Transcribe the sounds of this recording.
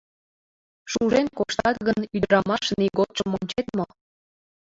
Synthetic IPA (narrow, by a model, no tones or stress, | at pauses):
ʃuʒenkoʃt̪ɑt̪ɣənyd̪əɾɑmɑʃniɣot̪̚t͡ʃəmonʲt͡ɕet̪mo